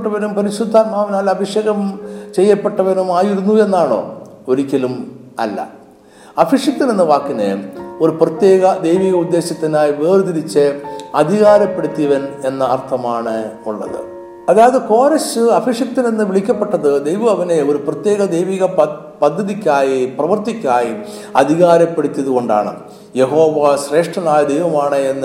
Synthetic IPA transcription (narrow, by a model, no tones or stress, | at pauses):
ʈːɐʋɐnumpɐɾiɕud̪ʱːaːnmaːʋɐnaːlɐbʱiʂjeːɣɐmt͡ɕe̞jːɐpːeʈːɐʋɐnumaːjiɾunːue̞nːaːɳo̞̰ː | o̞ɾikʲːɐlumɐ̰lːɐ̰ | ɐfʰiʂjɐk̚t̪ːinenːɨʋaːkːinːḛo̞ɾuprɐt̪jeːɣɐd̪e̞jʋiːɣɐud̪ːe̞ːɕɐt̪ːinaːjiʋeːrd̪iɾit͡ɕːeɐd̪ʱiɣaːɾɐpːe̞ɽut̪ːiʋɐne̞nːɐɐrt̪ʰɐmaːɳɨuɭːɐ̰ðɨ̰ | ɐðaːjɐðɨko̞ːɾɐsɨɐfʰiʂjɐkt̪ːinenːɨʋiɭikʲːɐpːeʈːɐðɨd̪ejʋɐmɐʋɐne̞o̞ɾuprɐt̪jeːɣɐd̪ejʋiɣɐ | pɐd̪ʱːɐðikʲːaːjiprɐʋɐrt̪ikʲːaːji | ɐ̰d̪ʱiɣaːɾɐpːe̞ɽut̪ʲːjɐðuɣo̞ɳɖa̰ːɳɨ̰ | je̞ɦo̞ːʋaɕre̞ːʂʈrɐnaːjɐd̪ejʋɐmaːɳɨenːɨ